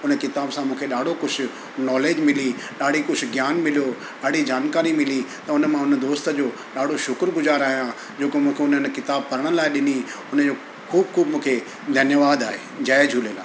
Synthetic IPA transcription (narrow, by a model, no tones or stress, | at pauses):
ʊnəkɪt̪aːbsãmũːkʰeɗaːɽ̤ʱokʊt͡ɕʰʊ | nɔːleːd͡ʑmɪliɗaːɽ̤ikʊʊɡjaːnmɪlijoː | ɗaːɽ̤id͡ʑaːnkaːɾimɪlit̪ɐʊnəmãʊnəd̪oːst̪d͡ʑoː | ɗaːɽ̤ʱoʃʊkɾɡʊzaːɾaːɦijã | d͡ʑeːkomũːkʰeʊnən̆kɪt̪aːb̚kɐɾəɽ̃laːɪɗɪniʊnə̆d͡ʑoː | kʰuːbkʰuːbmũːkʰe | d̪ʱɐnjəʋaːd̪aːɦḛːd͡ʑaːed͡ʑʱuːlelaː